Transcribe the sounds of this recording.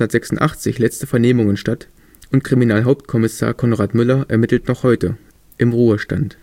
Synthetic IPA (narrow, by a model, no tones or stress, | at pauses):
ndɐtz̥ɛksʊn̩tʔa̰χt͡sɪçlɛt͡stəfɛɐneːmʊŋənʃtat | ʊntkʁ̥iminaːlɦaʊp̚tkʰɔmɪsa̰ːɐkʰɔnʁaːtmʏlɐʔɛ̰ɐmɪtl̩tnɔχhɔʏtə | ʔɪmʁuːəʃta̰nt